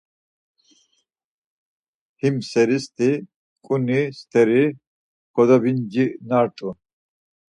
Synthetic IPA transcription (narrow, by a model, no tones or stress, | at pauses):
himsɛɾist̪ʰi | kʼunist̪ʰɛɾi | kʰɔd̪ɔbind͡ʒinaɾt̪ʼu